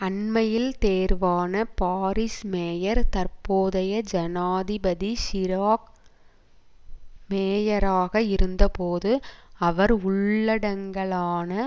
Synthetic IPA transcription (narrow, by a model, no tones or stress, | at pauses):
ɐɳmɐjɪlt̪eːɾʋaːnɐpaːɾɪsmeːjɐɾt̪ɐɾpoːðɐjɐd͡ʒɐnaːðɪbɐðiʃɪɾaːk | meːjɐɾaːɣɐɪɾɯnd̪ɐpoːðɯɐʋɐɾʊɭːɐɽɐŋɡɐɭaːnɐ